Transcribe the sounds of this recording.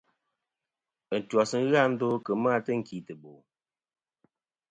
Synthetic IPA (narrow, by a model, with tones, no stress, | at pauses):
ə˨n̩˨twɔ˨sə˦ɣa˦n̩˦do˦kə˨maː˦tə˦ŋ̩˨ki˨tɨ˨bo˨